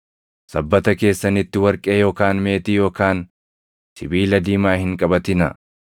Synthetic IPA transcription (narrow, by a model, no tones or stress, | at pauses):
sɐbːɐt̪ɐke̞ːsːɐnɪt̪ːɪwɐɾkʼe̞ːjo̞ːkaːnme̞ːt̪ijo̞ːkaːn | sɪ̰biːlɐd̪iːmaːhɪŋkʼɐbɐt̪ɪnɐ̰